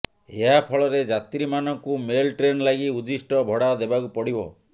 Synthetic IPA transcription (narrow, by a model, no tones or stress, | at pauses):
eɦapʰɔɭɔɾed͡ʒat̪ɾimanɔŋkumelʈɾenlaɡiud̪isʈɔbʱɔɽad̪ebakupɔɽibɔ̰